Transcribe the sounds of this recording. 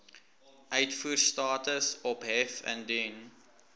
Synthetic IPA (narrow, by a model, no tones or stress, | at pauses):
ʔœɥtfuːrstɑːtəsɔpɦɛfə̰ndyn